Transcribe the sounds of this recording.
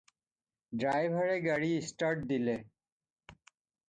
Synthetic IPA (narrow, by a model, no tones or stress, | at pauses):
ɖɾajbʱaɾeɡaɽiisʈaɾʈ̚d̪ile